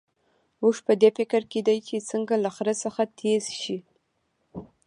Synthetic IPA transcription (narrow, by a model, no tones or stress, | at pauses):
muʐpəd̪efɪkɾked̪ajt͡ʃet͡səŋɡalaxɾəsəxat̪ʰez̥ʃi